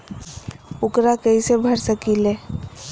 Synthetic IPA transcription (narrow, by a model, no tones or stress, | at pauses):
ʊkɾakəisebʱəɾsəkile